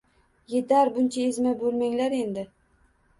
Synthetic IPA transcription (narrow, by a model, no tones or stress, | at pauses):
je̞t̪ʰaɾbʊnt͡ʃʰaezmabɵlmaŋlaɾe̞nd̪ɪ